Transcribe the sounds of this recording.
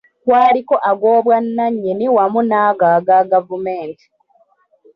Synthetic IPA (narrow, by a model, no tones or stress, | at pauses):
kwaːliko̞ʔaɡoːβwanːaɲːeniwamunaːɡaːɡaɡavume̞ːnti̥